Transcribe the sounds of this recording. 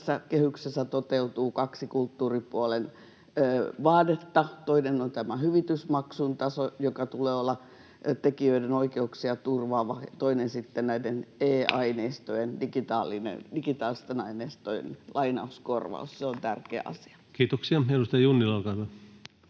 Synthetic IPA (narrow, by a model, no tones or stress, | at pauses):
sːækehyksesːæt̪ot̪eut̪uːkɑksikult̪ːuːripuolenː | ʋɑːdet̪ːɑt̪oinenont̪æmæhyʋit̪ysmɑksunt̪ɑsojokɑt̪uleːolːɑ | t̪ekiøidenoikeuksiɑt̪urʋɑːʋɑt̪oinensit̪ːennæideneːɑineːst̪ojendikit̪ɑːlːˑinḛndikit̪ɑːlist̪enɑineːst̪ojḛnlɑinɑuskorʋɑ̰usseont̪ærkeæ̰ʔɑ̰si̥ɑ̥kiːt̪oksiɑelust̪ɑjunːilɑlkɑilːɑ